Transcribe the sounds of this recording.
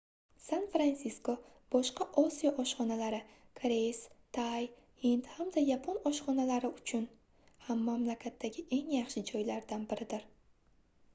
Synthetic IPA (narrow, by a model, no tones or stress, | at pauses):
sanfɾansisko | b̥ɒʃqɑʔɒsijɒʔɒʃχɒnalaɾɪ | kʰɾest̪ʰaj | hint̪hamd̪ajapʰonɒʃχɒnalaɾɪʊt͡ʃʰʊn | hamːamlakʲʰat̪ʰːaɡʲɪʔe̞ŋjɑχʃɪd͡ʒɒjlaɾd̪anbɪɾɪd̪ɪɾ